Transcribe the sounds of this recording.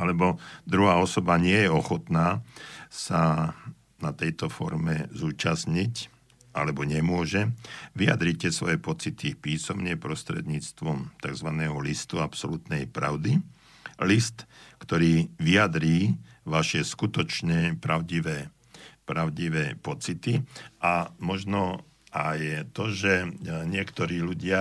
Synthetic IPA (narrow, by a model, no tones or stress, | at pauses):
alɛbɔd̪ɾuɦaːɔsɔbaɲɪɛjɛɔxɔt̪naːsa | nat̪ɛjt̪ɔfɔ̰ɾmɛzuːt͡ʃasɲic | a̰lɛbɔɲɛmʊɔʒɛʋija̰d̪ɾicɛsʋɔjɛpɔt͡sit̪ipiːsɔmɲɪɛpɾɔst̪ɾɛ̰d̪ɲiːt͡st̪ʋɔmt̪aɡzʋanɛːɦɔlist̪uapsɔlut̪nɛjpɾa̰ʊd̪i | list̪kt̪ɔɾiːʋiad̪ɾiːʋaʃɪɛskut̪ɔt͡ʃɲɛpɾaʊɟiʋɛː | pɾaʊɟiʋɛːpɔt͡sit̪iʔamɔʒnɔ | ʔajt̪ɔʒɛɲɪɛkt̪ɔɾiːluɟɪa